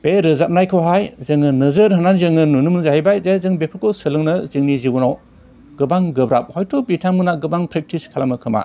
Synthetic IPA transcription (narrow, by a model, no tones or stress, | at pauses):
b̥eɾɯzap̚najkʰɔwɦajzɯŋɯnɯzɯɾɦɯnanzɯŋɯnunɯmzaɦajbajzezɯŋbepʰɯɾkʰɔsɯlɯŋnɯzɯŋnizibunɔw | ɡ̥ɯbaŋɡɯbɾap̚hɔjtʰɔbitʰamɯnaɡɯbaŋpʰɾek̚tʰiskʰalamɯkʰɯma̰